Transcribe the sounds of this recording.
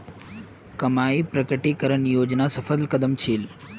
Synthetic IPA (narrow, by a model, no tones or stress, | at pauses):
kəmaːipɾəkəʈikəɾənjoːd͡ʒnasəfəd̪lkəd̪əmt͡ʃʰiːl